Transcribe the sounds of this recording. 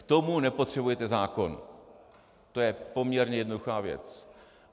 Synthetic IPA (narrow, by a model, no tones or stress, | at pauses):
t̪o̞munɛpo̞t̪r̝̥ɛbujɛt̪ɛzaːko̞n | t̪o̞jɛpo̞mɲɛɾɲɛjɛdnoduxaːvjɛ̰t͡s